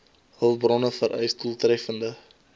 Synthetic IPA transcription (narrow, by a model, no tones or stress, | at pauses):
ɦəlbrɔnəfəɾʔœ̰jstulˠtrɛfəndə